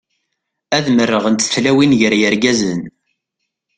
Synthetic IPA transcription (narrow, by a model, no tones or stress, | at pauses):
æðmərːəʁənt̪θlæwinjəɾjəɾɡæzən